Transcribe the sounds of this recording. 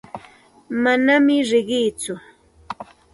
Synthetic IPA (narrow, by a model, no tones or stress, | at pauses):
manamɪɾɪɢɪjt͡sʊ